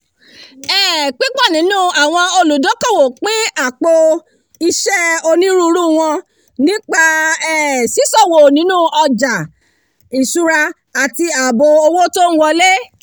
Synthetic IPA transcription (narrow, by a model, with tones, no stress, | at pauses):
ɛ˦˨k͡pi˦k͡pɔ˦˨nĩ˨˦nũ˦a˨w̃ɔ̃˧o˧lu˨dõ˨˦kɔ̃˦˨wo˨k͡pĩ˦a˦˨k͡po˧ | i˧ʃɛ˦o˧nĩ˦ɾu˦ɾu˦˨w̃ɔ̃˧ | nĩ˦k͡pa˧ɛ˦˨si˨˦sɔ˦˨wo˨nĩ˨˦nũ˦ʔɔ˧d͡ʒa˨ | i˨su˨˦ɾa˧ | a˨ti˧a˨bo˧o˧wo˦tõ˦wɔ˧le˦